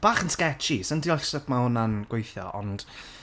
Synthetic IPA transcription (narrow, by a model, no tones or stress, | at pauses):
b̥aːχənskɛt͡ʃisəndiɔɬsəpʰmaʊnanɡ̥wejθjɔ̰ʔɔ̰nd̥